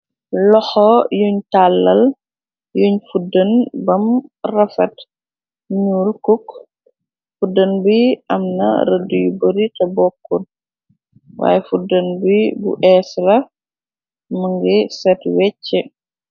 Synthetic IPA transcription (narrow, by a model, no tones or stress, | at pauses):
lɔxɔjuɲtalːɐl | juɲfudənbɐmrɐfɐt | ɲuːlkuk | fudɐnbiɐmnɐ̰ɾɐdujubəɾitɐbɔkːɔn | wa̰ːjɛfudɐnbibṵʔɛslɐ | mɐŋɡɛsɛtwɛcːɛ